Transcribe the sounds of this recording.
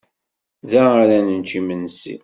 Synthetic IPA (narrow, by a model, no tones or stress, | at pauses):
ðæaɾænənt͡ʃimənsḭ